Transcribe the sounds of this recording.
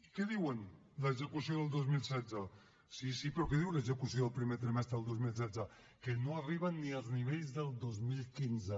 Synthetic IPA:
kɛðiwən | ləzəkusioðəlˠd̪ozmilˠsɛzə | sisipɾɔkeðiwləzəkusioðəlˠpɾimet̪ɾimɛst̪ɾəəlˠd̪ozmilˠs̬ɛdzə | kənoariβ̞ənːiəlˠzniβ̞eʎzðəlˠd̪ozmilˠkinzə

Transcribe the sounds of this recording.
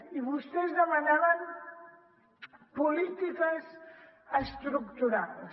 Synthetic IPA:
iβust̪ezðəmanaβam | pulit̪ikas | əst̪ɾukt̪uɾaðs

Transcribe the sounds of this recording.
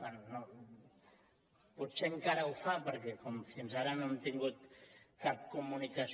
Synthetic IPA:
anno | put̪seŋkaɾaufapəɾkɛkomfinzaɾanont̪iŋɡut̪kap̚kumunikas

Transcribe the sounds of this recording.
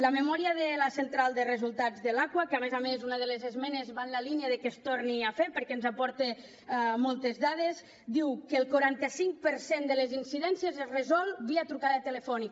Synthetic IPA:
ləmemɔɾiəðeləsent̪ɾalˠd̪ərezulˠt̪ad͡zðəlakwəkamezamezunəðəlezezmɛnezβanlaliniaðəkest̪oɾniafeɾpəɾkɛnzapɔɾt̪e | mɔlˠt̪ezðað̞es | d̪iwkəːlˠkuɾant̪əsiŋk̚pəɾsend̪əlezinsiðɛnsjezezrəzɔlˠβiat̪ɾukaðət̪ələfɔnik

